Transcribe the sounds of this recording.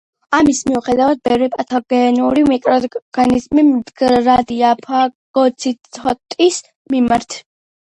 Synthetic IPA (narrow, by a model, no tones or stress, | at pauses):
amismiuχɛd̪avad̪̚bɛvɾɛpʼat̪ʰɔɡɛnuɾimikʼɾɔɡ̥anizmimd̪ɡɾad̪iapʰaɡ̥ɔt̪sʰit̪ʰɔt̪ʼis | mimaɾt̪ʰ